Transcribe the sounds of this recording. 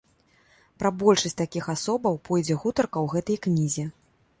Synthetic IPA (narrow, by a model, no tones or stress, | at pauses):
pɾɐbɔlʲʂɐsʲt͡sʲt̪akʲixasɔbɐwpʰɔjd͡zʲɛɣut̪ɐrkɐwɣɛt̪ɐjknʲizʲɛ